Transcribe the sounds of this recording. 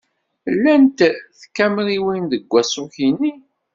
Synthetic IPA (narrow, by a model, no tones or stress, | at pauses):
lːænt̪θkːæmliwinðəɡʷːæsʊçini